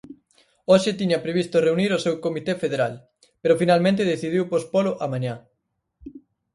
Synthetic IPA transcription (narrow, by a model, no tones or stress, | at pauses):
oʃɪt̪iɲɐpɾeβist̪oreuniɾosewkomit̪efeðeɾal | peɾʊfinalmẽnt̪eðeθiðiwpospoloʔamãɲã